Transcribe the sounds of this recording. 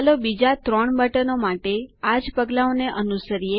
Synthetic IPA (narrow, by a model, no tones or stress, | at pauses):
lobid͡ʒat̪ɾɔɳ̃bəʈənomaʈead͡ʒpəɡlaoneʔənusəɾije